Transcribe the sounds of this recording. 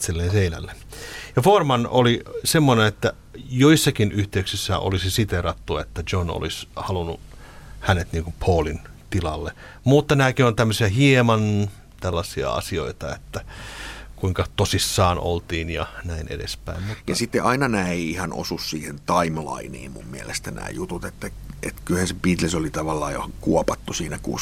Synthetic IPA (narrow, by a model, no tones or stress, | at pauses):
t̪selːenseinæ̰lːejɑfoːrmɑnolisemːoneet̪ːæ | joisːɑkinʔyht̪eyksisːæ̰ːʔo̰lisisit̪erɑt̪ːuet̪ːæd͡ʒono̰lishɑlunːṵ | hænet̪niːŋkumpʰoːlin | t̪ilɑlːe | mut̪ːɑnæːkiont̪æmːøsiæhiemɑn | t̪ælːɑsiɑ̰ɑ̰sio̰it̪ɑet̪ːæ | kuiŋkɑt̪osisːɑːnʔo̰lt̪iːnjɑnæinḛdḛspæ̰immujɑsit̪ːeʔɑinɑnæːeihɑno̰sussiːhent̪ɑimlɑ̰inḭːmmṵmmiælest̪ænæ̰ːjut̪ut̪et̪ːæ | et̪kylhænsepit̪lesolit̪ɑʋɑlːɑːjokuɔpɑt̪ːusiːnækṵː